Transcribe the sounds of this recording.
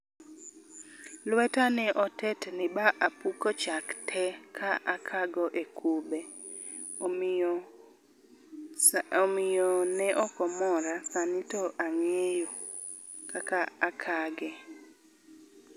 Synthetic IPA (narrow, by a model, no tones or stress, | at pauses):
lwɛtanɛʔɔtɛtnɪbaʔapukɔt͡ʃaktʰɛkʰaʔakʰaɡɔʔekʰubɛ | mɪjɔnɛʔɔkɔmɔɾasanɪtɔʔaŋejo | kakaakʰaɡɛ